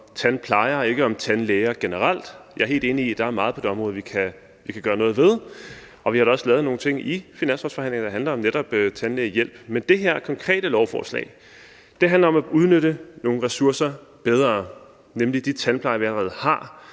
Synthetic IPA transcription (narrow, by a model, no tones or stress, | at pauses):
t͡sʰænpʰlɑ̈ɪɐɒe̝ɡ̥əɒ̽mt͡sʰænleːɪɐɡ̥enəʁɑl̰d̥jɑ̈ɐɦe̝ːld̥e̝ːniid̥ɑ̈æɐmɑ̈ːð̩ˠʰɒ̽d̥e̝ɒ̽mʁɔ̽ːð̞̩ˠʋikʰæ | ʋikʰæɡ̥ɶːɐnɔ̽ːð̞̩ˠʋe̝ð̞ˠ | ɒ̽ʋihɑ̈ɾ̥ɑɒ̽slɛːʊð̩ˠno̝ːn̩t͡sʰe̝ŋ̰ifinæn̰sfɒ̥sfɒ̽æn̰le̝ŋɐd̥ɑɦænlɐɒ̽mneɾ̥ɒ̽b̥t͡sʰænleːɐjel̰b̥mend̥e̝ɦeɐ̰kʰɒ̽ŋkʰʁɛ̰ːɾ̥əlɒʊfɒ̰ːslɛ̰ɪ | d̥e̝ɦændlɐɒ̽mæuð̞ˠnøɾəno̝ːn̩ʁɛsuɐsɐb̥eð̞ˠʁɐː | nemlid̥it͡sʰænpʰlɑ̈ɪɐʋiælɐʁɛːð̩ˠhɑ̈